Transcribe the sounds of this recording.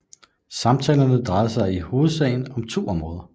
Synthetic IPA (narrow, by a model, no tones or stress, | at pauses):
sɑ̈mt͡sʰɛːlɐnəd̥ʁɑ̈ɪɐsɑ̈ɪiho̝ːð̩ˠsɛ̰ɪn̩ɒ̽mt͡sʰo̝̰ːɒ̽mʁɔ̽ːð̞ˠɐ